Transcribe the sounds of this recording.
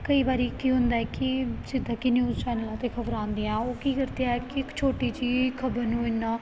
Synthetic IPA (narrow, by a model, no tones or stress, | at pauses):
kəiːbaːɾiːkiːɦʊ̃nd̪aːɛːkɪd͡ʒɪd̪ãːkinjuːzt͡ʃɛːnəlãːt̪eːkʰəbɾãːnd̪ijãːoːkiːkəɾt̪ejaɛkɪkt͡ʃʰoːʈiːt͡ʃiːkʰəbəɾnũːɪnãː